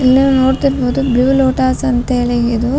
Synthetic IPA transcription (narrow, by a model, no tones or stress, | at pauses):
ilːiʋnoːɽt̪iɾboːd̪ubiʋuloːʈaːsɐnt̪ɐɦeːɭiid̪u